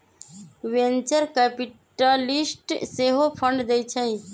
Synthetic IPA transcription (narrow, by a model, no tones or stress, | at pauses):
ʋẽnt͡ʃəɾkepiʈəlisʈseɦopʰə̃ɳɖd̪ejt͡ʃʰə̃ĩ